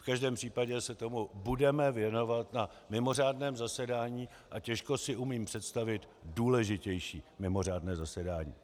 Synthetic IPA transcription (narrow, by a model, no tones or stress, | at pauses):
fkaʒdɛːmpr̝̥iːpaɟɛsɛt̪o̞mubudɛmɛvjɛno̞vat̪na | mɪmo̞r̝aːdnɛːmzasɛdaːɲiː | ʔacɛʃko̞sɪʔumiːmpr̥ɛt̪st̪avɪt̪ | duːlɛʒɪcɛjʃiːmɪmo̞r̝aːdnɛːzasɛdaːɲḭː